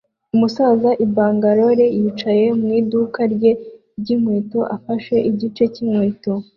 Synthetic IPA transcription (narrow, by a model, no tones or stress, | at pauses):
umusaːzaʔibaːŋɡaɾo̞ɾe̞jiːt͡ʃaje̞mŋiːdukaɾɟe̞ | ɟimwiːtoʔafaʃwe̞ʔiɟit͡ʃe̞cimwiːto